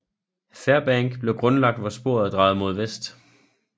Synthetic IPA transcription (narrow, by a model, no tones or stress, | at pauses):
fæɐb̥æŋɡ̥b̥le̝ʊɡ̥ʁɔ̽nlɑ̈ɡ̥̚d̥ʋɒsb̥o̝ɐ̰ð̩ˠd̥ʁɑ̈ːð̩ˠmo̝ð̞ˠʋesd̥